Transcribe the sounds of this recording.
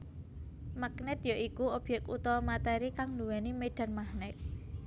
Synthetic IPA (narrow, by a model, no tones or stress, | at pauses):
maknɛt̪joʔikuob̥ɛkṵt̪ɔmat̪ɛɾikaŋluwɛnimeɖ̥a̤nmahnɛk̚